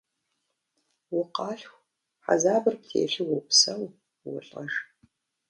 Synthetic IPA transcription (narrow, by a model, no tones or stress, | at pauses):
wʊqɑːɬxʷ | ħa̰zaːbɨrp̚tʰḛːɬɨwʊpsɐw | wʊ̰ɬʼɐʒ